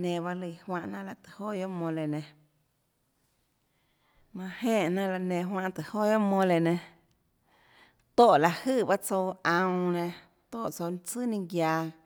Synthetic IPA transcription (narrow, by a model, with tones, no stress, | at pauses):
nẽ˧˨ba˦li˧˨hwã˧ʔnã˦ʔla˧t̪ɨ̥˨ho˦˨jo˦ʔmõ˧le˨nẽ˨ | mã˧hẽː˦˨ʔnã˦ʔla˧nẽ˧˨ɦwã˧ʔt̪ɨ˨ho˦˨jo˦ʔmõ˧le˨nẽ˧ | t̪oː˦˨ʔla˧ʔhɨ˦˨ba˦t͡so˧ã˧w̃nẽ˧˨ | t̪o˦˨ʔt͡so˧n˧t͡sɨ˦nĩ˧ɡjaː˧